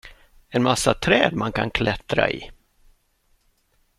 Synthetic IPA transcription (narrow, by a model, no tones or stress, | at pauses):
ɛnmasːat̪ʰɾɛːd̪mankʰankʰlɛt̪ɾa̰ɪ̰